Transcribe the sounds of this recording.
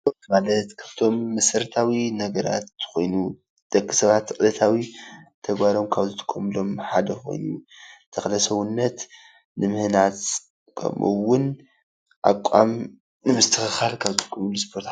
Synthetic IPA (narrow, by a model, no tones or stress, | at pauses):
omalɐt̪kʰɐ̥ft̪ʰo̞mːɐsɨɾt̪ʰawinɐɡɐɾa̰t̪ːxo̞̰jnu | d̪̥ɐkːi̥sɐβat̪ʰːʔʼɨlɐt̪ʰawit̪ʰɐɡbaɾo̞mkʰaβzɨt̪ʰɨ̥kʰːomlo̞mħad̪ɐxo̞̰jnut̪ʰɐxlɐsɐwʊnːɐt̪ | nɨmɨhnat̪ | kʰɐ̰mʔṵwʊn | ʔa̰kʷʼːa̰m | nɨmɨst̪ʰɨxɨxalkʰaβt̪ʰu̥kʰomunispʰo̞ɾt̪